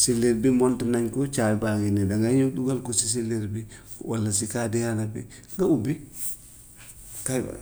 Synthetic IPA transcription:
sileɾbimontinaɲkot͡ʃabaɡinidaŋɡaɲoduɡalkosis̬ileɾbi | walːasikadijanabiŋɡaubi | kajba̰

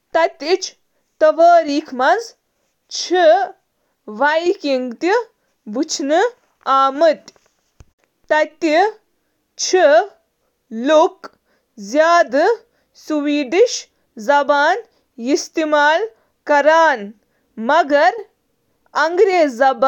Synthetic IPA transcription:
t̪ɐt̪it͡ʃʰ | t̪ɐʋaːɾiːkʰmɐnz | t͡ʃʰi | ʋajkiŋɡt̪i | but͡ʃʰnɨ | aːmɨt̪ʲ | t̪ɐt̪i | t͡ʃʰi | luk | zjaːd̪ɨ | suʋiːɖiʃ | zɐbaːn | ist̪imaːl | kɐɾaːn | mɐɡɐɾ | ɐŋɡɾeːzɐb

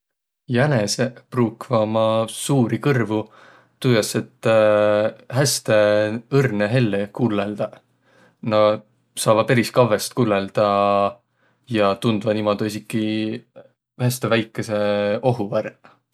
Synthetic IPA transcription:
jænesepruːkvɑmɑsuːɾikɤrvu | t̪ujjɑse̞t̪ː | ɦæst̪e̞ɤrneɦe̞lːekulːeld̪̥ɑ | nɑ | sɑːvɑpeɾiskɑve̞st̪̚kulːeld̪̥ɑ | jɑt̪und̪vɑnimod̪̥uisikːˑi | hæst̪e̞væjkːˑese̞o̞ɦuvær

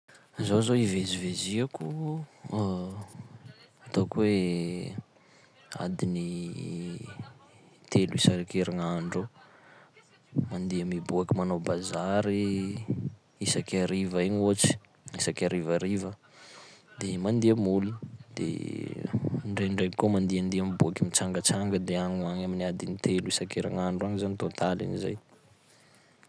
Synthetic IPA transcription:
zozoiveziveziaku | at̪okwe | a̰d̪ini | t̪eluisakeɾaŋaɳɖ͡ʐo | mand̪iəmibuakimanobazaɾi | isakʲaɾivəeɲut͡si̥ | isakʲaɾivaɾivə | d̪emand̪iəmulid̪̥ḛ | ɳɖ͡ʐejɳɖ͡ʐejkomand̪iand̪iamibuakimit͡saŋɡət͡saŋɡəd̪eaŋuaɲaminiad̪init̪eluisakeɾa̰ŋaɳɖ͡ʐanizanit̪ont̪alḭniza̰j

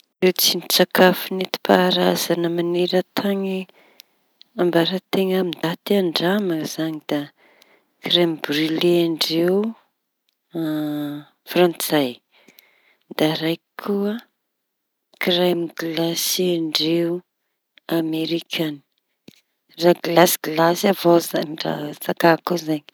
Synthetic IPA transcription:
rewt͡sinit͡sakafinet̪i̥paːɾaz̥anəmaneɾət̪ʰaŋi | ambaɾat̪eŋamid̪at̪iaɳɖ͡ʐamaz̥aŋid̪a | krambrileaɳɖ͡ʐeu | frãnt͡saj | d̪aɾajkʰuə | kramɡlasiaɳɖ͡ʐeu | ameɾikʰani̥ | raɡlasɡlasavozaɖ͡ʐa̰zakakuzaɲi̥

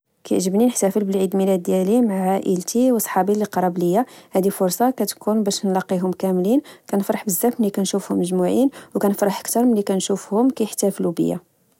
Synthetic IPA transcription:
kæjʕʒəbninəħt̪æfəlbəlʕid̪milæd̪̚d̪jælimaʕʕaʔəlt̪iwsˤħɑbiləqɑɾˤɑbləjːahæd̪ifʊɾsˤɑkæt̪kʰunbæʃnlɑqːiɦʊmkæmlinkænəfɾˤɑħbəzːæfməlikænʃufhʊmːəʒmuʕinwkænəfɾˤɑħʔə̥kt̪ɑɾˤmənlːikænʃufhʊmkæjəħt̪æflubə̰jːæ̰

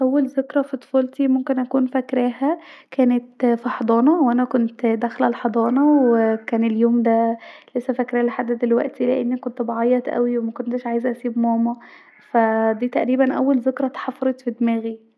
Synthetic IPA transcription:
ʔæwːælzekɾɑfit̪ˤo̥fɑːlt̪imomkenʔækuːnfækɾæːhæ | kæːnet̪fiħɑd̪ˤɑːnɑwʔænækont̪d̪æxlælħɑd̪ˤɑːnɑwekæːneljoːmd̪ælesːæfækɾæhæleħad̪ːæd̪elwæʔt̪ileʔḛnːikont̪bɑʕɑjːɑt̪ʔæ̰wiwemækont̪eʃʕaːjezʔæsiːbmɑːmɑ | fæd̪iːt̪æʔɾiːbænʔæ̰wːælzekɾˤɑt̪ɑ̥ħɑfɑɾˤet̪fid̪mæːɣi

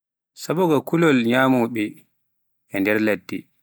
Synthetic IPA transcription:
sabɔɡɔkulɔlɲaːmuɓɛ | ɛndɛɾladːi

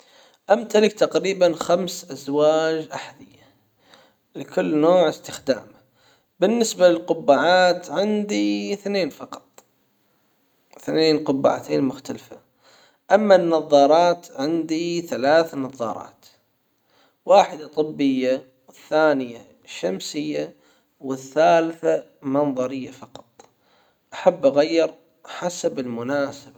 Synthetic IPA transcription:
ʔamt̪alɪkt̪aqɾiːbanxamsʔazwaːd͡ʒʔaħd̪ɪjːa | lɪkʊlːnoːʕɪst̪ɪxd̪a̰ːma | bɪnːɪsbalɪlqʊbːaːʕaːt̪ʕɪnd̪iθneːnfɑqɑ̥t̪ˤ | θneːnqʊbːa̰ːʕat̪ʰeːnmʊxt̪alfa | ʔamːanːɑðˤːɑːɾˤɑːt̪ʕɪnd̪iθalaːθnɑðˤːɑ̰ːɾˤɑ̰ːt̪ | waːħɪd̪at̪ˤɨbːɪjːa | ɪθːaːnɪja | ʃamsɪjːa | wɪθːaːlθa | mɑnðˤɑɾɪjːafɑqɑ̥t̪ˤ | ʔaħabːʔaɣajːɪɾ | ħasabɪlmʊnaːsaba

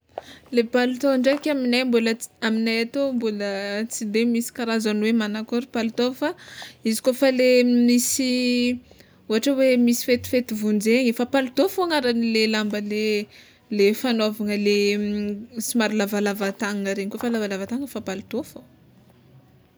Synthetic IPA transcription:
lepalut̪oɳɖ͡ʐekʲaminajmbuləaminajat̪ombulət͡sid̪emisi̥kaɾazanwemanakoɾipalut̪ofaizi̥kofalemisi | uɦaʈ͡ʂawemisi̥fet̪i̥fet̪ivund͡zeɲifapalut̪ofoaŋaɾanilelambəle | lefanovaŋəle | simaɾilavalavat̪aŋəɾeɲkofalavalavat̪aŋəfapalut̪ofo

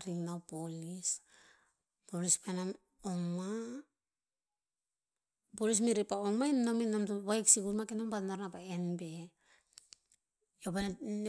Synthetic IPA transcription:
ɾiŋnawpolis | polispanam | oŋa | polis̬miɾipaoŋainominamtuβajksikuɾmakenompatnaɾnapaenbe̞ | opan

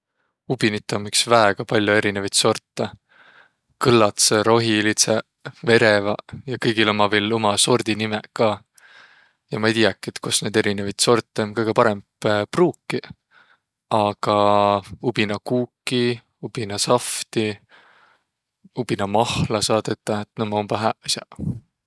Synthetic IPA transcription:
ub̥init̪ːˑomiksvæeɡ̥ɑpɑlʲjoe̞ɾinevɑjt̪so̞rt̪ːˑe | kɯlːɑt̪seɾo̞ɦilit̪se | ve̞ɾevɑjɑkɤjɡ̥ilomɑvelo̞mɑso̞rd̪̥inimekɑː | jɑmɑejt̪ʲijɑkːˑet̪kosne̞d̪e̞ɾinevɑjt̪so̞rt̪ːˑenkɤjɡ̥epɑɾembpruːkːi | ɑɡ̥ɑubinɑkuːkːi | ub̥inɑsɑft̪i | ubinɑmɑhlɑsɑːd̪̥et̪ːˑɑet̪nomːɑomb̥ɑɦæʔisʲɑ

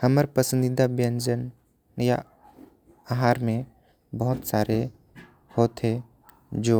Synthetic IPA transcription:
həməɾpəsə̃nd̪ɪd̪abjə̃nd͡ʒən | ja̰ | aɦaːɾmẽ | bəɦʊt̪saːɾe | hoːt̪ɦe | d͡ʒoː

